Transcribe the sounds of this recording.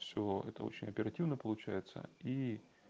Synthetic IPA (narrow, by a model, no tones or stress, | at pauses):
fsʲoɛ̰t̪ə̰o̞̰t͡ɕɪnʲɐpʲɪɾɐtʲivnəpəlˠʊt͡ɕæjɪt̪sə̰i